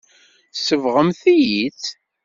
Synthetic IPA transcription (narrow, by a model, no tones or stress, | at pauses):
səvʁəmθijiθ